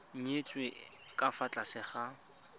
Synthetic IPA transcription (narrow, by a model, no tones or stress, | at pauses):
ɲ̩et͡sʼwe | kʼafat͡ɬʼasɪχa